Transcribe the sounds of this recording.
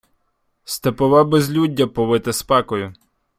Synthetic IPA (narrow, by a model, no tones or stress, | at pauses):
st̪epɔʋɑbezʲlʲudʲːɐpɔʋɪt̪ɪspɑkɔjʊ